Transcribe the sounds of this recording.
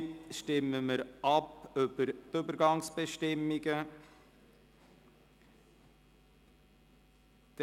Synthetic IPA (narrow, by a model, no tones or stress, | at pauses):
ʃtɪmːəməɾʔɑpʏbəɾt̪ʏbəɾɡɑŋsb̥ɛʃtɪmːɪɡə | d̪̥